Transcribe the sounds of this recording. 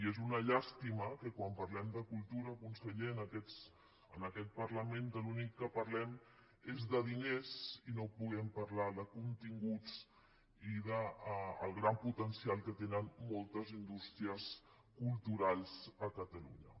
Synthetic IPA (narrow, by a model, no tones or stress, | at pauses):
iezunəʎast̪iməkəkwampəɾlɛmd̪əkulˠt̪uɾəkunsəʎeənəkɛs | ənəkɛt̪̚pəɾləment̪əlunikːəpəɾlɛm | ezðəðinezinopuɣ̞ɛmpəɾlaðəkunt̪iŋɡut͡s | iðəːlˠɣɾamput̪ənsialˠkət̪enənmolˠt̪əzind̪ust̪ɾiəs | kulˠt̪uɾalˠzəkət̪əlṵɲə